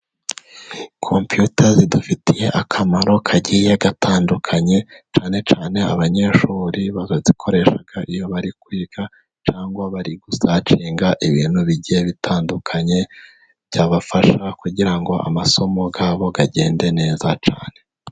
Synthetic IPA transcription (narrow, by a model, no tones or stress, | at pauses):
kʰo̞mpjutazidufitije̞ʔakʰamaɾo̞kʰaɟije̞ɡatʰaːndukʰaɲe̞t͡ʃaːne̞t͡ʃaːne̞a̰βaɲe̞ːʃuːɾiβazozikʰo̞ɾe̞ʃaɡ̥aʔijo̞βaɾikwiːɡ̥a | t͡ʃaːŋɡwaβaɾiɡusat͡ʃiːŋɡaʔiβiːn̥huβiɟijeβitʰaːndukʰaɲe̞̥ | ɟaːβafaʃakuɟiɾaŋɡo̞ʔa̰maso̞mo̞ɡaːβo̞ɡaɟe̞ːnde̞ne̞ːzat͡ʃa̰ːne̞